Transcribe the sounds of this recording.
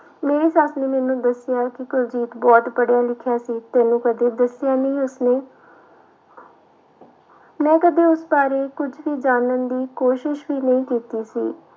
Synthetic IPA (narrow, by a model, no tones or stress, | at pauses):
meːɾeːsaːsneːmɛːnũːd̪əsɪjaːkɪkʊɾd͡ʒiːt̪bɔːt̪bəɽjaːlɪkʰːjaːsiːt̪ɛːnũːkəd̪eːd̪əsɪjaːnĩːʊsneː | mɛ̃ːkəd̪eːʊsbaːɾeːkʊd͡ʒʱʋiːd͡ʒaːnənd̪iːkoːʃɪʃʋiːnəĩːkiːt̪iːsḭː